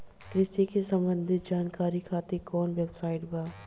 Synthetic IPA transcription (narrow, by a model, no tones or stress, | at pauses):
kɾɪsikesɐ̃mbə̃nd̪ʱɪt̪̚d͡ʒaːnkaːɾikʰaːt̪ekɔːnʋeːbsaːɪʈbaː